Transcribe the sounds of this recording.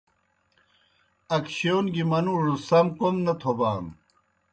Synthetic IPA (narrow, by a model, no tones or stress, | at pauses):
ɐkɕewnɡimɐnuʐusɐmkomnɐt̪ʰobaːm